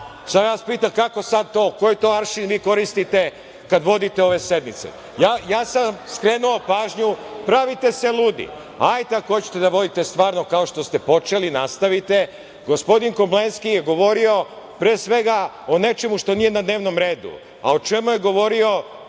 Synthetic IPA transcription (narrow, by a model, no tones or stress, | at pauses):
sajaspiːt̪amkako̞sad̪̚t̪o̞ːkojet̪o̞aɾʃinʋiːko̞ɾist̪it̪e̞ | kad̪ʋo̞d̪it̪e̞o̞ʋe̞se̞d̪mit̪sḛ | jaːjaːsamskɾe̞ːnuopaːʒɲupɾaʋit̪e̞se̞luːd̪ḭ | ajt̪eakoot͡ɕe̥t̪ed̪aʋo̞d̪it̪est̪ʋaːɾno̞kao̞ʃt̪o̞st̪e̞po̞t͡ʃe̞linast̪aʋit̪e̞ | ɡo̞spo̞d̪iŋkoblenskijeɡo̞ʋo̞ɾio̞ | pɾeːsʋe̞ɡa | one̞t͡ʃe̞muʃt̪o̞nijenad̪ne̞ːʋno̞mɾeːd̪ṵ | a̰ot͡ʃemujeɡo̞ʋo̞ɾio̞